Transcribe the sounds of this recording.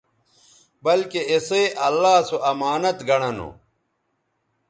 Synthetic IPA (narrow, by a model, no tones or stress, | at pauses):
bɐlkeeseːʔɐlːaːsoʔɐmaːnɐt̪ɡɐɽɐno̰